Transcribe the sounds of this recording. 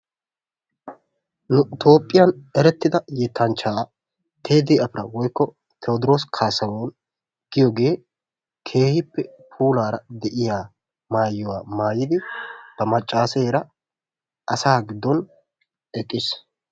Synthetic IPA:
nʊɪt̪ʰo̞ːpʼːɪjɐnɛɾɛt̪ːɪd̪ɐjɛt̪ʰːɐnt͡ʃːaː | t̪ʰe̞ːd̪iːɐpɪɾɐwɔjkːɔ | t̪ʰɛɔd̪ɪɾoːskʰaːsɐwon | ɡ̥ɪjɔɡe̞ː | kʰe̞ːhɪpːɛpʰuːlaːɾɐd̪ɛʔɪjaː | maːjːʊwaːmaːjɪd̪ɪb̥ɐmɐt͡ʃʼːaːseːɾɐ | ʔɐsaːɡɪd̪ːɔn | ɛkʼːɪs

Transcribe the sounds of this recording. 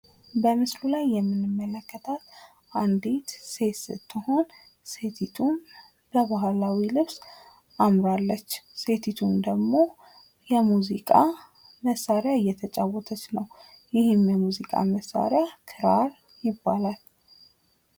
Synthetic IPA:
bəmɨslulajːɛmːɨnɨmːələkʰːət̪ʰat̪ | ʔand̪it̪set̪sɨ̰t̪ʰːɨho̞n | set̪ʰit̪ʰun | b̥əβahlawilɨβs | ʔamɾalːət͡ʃːse̞t̪ʰit̪ʰund̪əɡmo̞ | jɛmuzikʼa | məsːaɾeaɨjːɛt̪ʰət͡ʃʼawːɔt̪ʰət͡ʃnəw | jɪhɨmjɛmuzikʼa̰məsːa̰ɾeakʰɨɾaɾ | jɪbːalal

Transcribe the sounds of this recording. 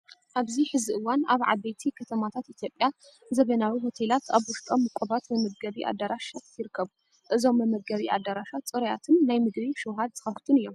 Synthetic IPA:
ʔaβziħɨziʔɨwːanaβʕa̰bejt̪ʰikʰɐt̪ʰɐmat̪ʰat̪ʔit̪ʰjo̞pʼja | zɐβɐnawiɦo̞t̪ʰelat̪ʰaβwʊst̪ʼo̞mːɨkʷʼoβat̪bɨmɐɡɡɐβiʔa̰d̪ːaɾaʃat̪jɪɾɨkʰːɐβu | ʔɨzo̞mːɨmɐɡɡɐβiʔa̰d̪ːaɾaʃat͡sʼɨɾɐja̰t̪ʰɨnːajmɨɡbiʃɨwɦad̪zɨxɐft̪ʰunɨjːo̞m

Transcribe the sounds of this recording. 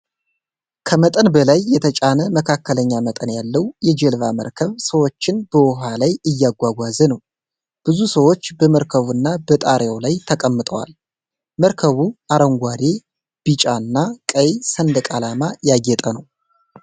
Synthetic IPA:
kʰəmət̪ʼənbəlajːɛt̪ʰət͡ʃʼanəməkʰakʰːələɲːamət̪ʼənjalːəwjɛd͡ʒɛlvaməɾkʰəβsəwo̞t͡ʃːɪnbəwɔɦalajɨjːaɡʷaɡʷazənəw | b̥ɨzusəwo̞t͡ʃːbəməɾkʰəβuɨnːabət̪ʼaɾjawlajt̪ʰəkʼəmːɨt̪ʼə̰wa̰l | məɾkʰəβuaɾəŋɡʷad̪e | b̥it͡ʃʼaɨnːakʼəjsənd̪əkʼalamajaɡɛt̪ʼənəw

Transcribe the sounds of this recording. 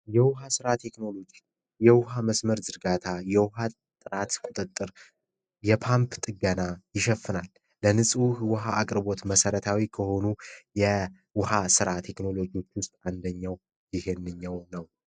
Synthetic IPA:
jɛwʊɦasɨɾat̪ʰe̞kno̞lo̞d͡ʒi | jɛwʊɦaməsməɾzɨɾɡat̪ʰajɛwʊɦa | t̪ʼːɨɾat̪kʼut̪ʼɨt̪ʼːɨɾ | jɛpʰampʰt̪ʼɨɡənajɪʃɛfːɨnalː | ənɨsʼhwʊɦaʔakʼɾbo̞t̪məsəɾət̪ʰawikʰəho̞nujɛ | wʊhasɨɾat̪ʰe̞kno̞lo̞d͡ʒiwo̞t͡ʃːwʊst̪ʼand̪əɲːaw | jɪhe̞nːɨɲːawnəw

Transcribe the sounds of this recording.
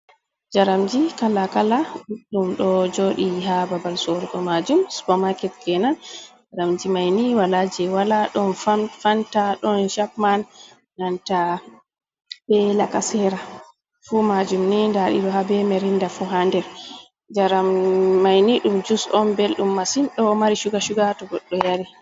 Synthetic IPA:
d͡ʒaɾamd͡ʒikalakalaɗuɗumɗɔd͡ʒoɗiɦababalsɔɾɡɔmad͡ʒumsu̥bɔmakɛt̚ɡɛnand͡ʒaɾamd͡ʒimajniwalad͡ʒɛwalaɗɔnfafantaɗɔnʃapman | nanta | bɛlakasɛɾa | fumad͡ʒumnindaɗḭɗɔɦabɛmɛɾindafuɦandɛɾ | d͡ʒaɾamːajniɗumd͡ʒusɔnbelɗumːasinɗɔmaɾiʃuɡaʃuɡatɔɡɔɗːɔjaɾi

